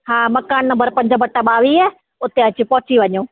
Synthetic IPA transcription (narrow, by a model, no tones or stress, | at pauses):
haːmɐkaːnːɐ̃mbəɾpɐ̃ɲd͡ʑəbɐʈːaɓaːʋiɛ | ʊt̪eɐt͡ɕɪpɔːt͡ɕiʋɐɲoː